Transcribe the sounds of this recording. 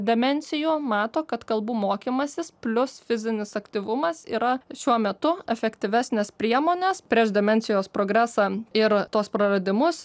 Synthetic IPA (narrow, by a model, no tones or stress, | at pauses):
d̪ʲɛmʲɛnʲsʲɪjuːmɑːt̪oːkɐt̪kɐlˠbuːmoːkʲiːmɐsʲɪspʲlʲʊsfʲɪzʲɪnʲɪsɐkt̪ʲiʋʊmɐsḭːɾɐʃʲuɔmʲɛt̪ʊɛfʲɛkt̪ʲɪʋʲæsʲnʲeːspʲɾʲiɛmoːnʲeːspʲɾʲiɛʃd̪ʲɛmʲɛnʲsʲɪjoːspɾoːɡɾʲæːsɑːɪɾt̪oːspɾɐɾɐd̪ʲɪmʊs